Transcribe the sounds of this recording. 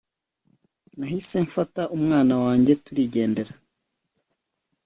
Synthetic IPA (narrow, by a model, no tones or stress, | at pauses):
nahise̞ɱfataʔumŋaːnawaːɲɟe̞tuɾiɟe̞ːnde̞ɾa